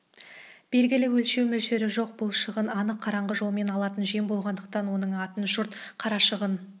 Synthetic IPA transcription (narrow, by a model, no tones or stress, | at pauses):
b̥e̞lɡʲɪlɪwɵlʃe̞wmɵlʃeɾɪʒo̞q̚b̥ʊlˠʃəʁənɑnəqʰːɑɾɑɴʁəʒo̞lˠme̞nɑlˠɑt̪ənʒiembo̞lˠʁɑnd̪əq̚t̪ɑnwo̞nəɴɑt̪ənʒʊɾt̪qʰɑɾɑʃəʁən